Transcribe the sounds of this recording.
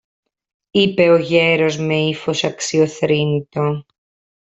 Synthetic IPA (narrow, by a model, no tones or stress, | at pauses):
ipe̞oʝeɾo̞zmeifo̞sɐksioθɾint̪o